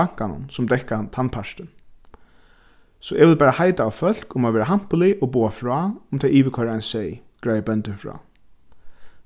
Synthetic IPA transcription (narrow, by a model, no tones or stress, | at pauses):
aŋ̥kanʊ̰nsʊmd̪ɛhkat̪ʰanpʰaʂtɪn | sɔʔɛʋɪlpæːɾahajt̪aːwfœl̥kʊmaʋɛːɾaɦam̥pʊlɪʔɔbuːafɹɔːʊmt̪ʰaiːʋɪkʰɔɾaajnsɛjɡɹaːjəbɛnt̪ɪfɹɔ̰ː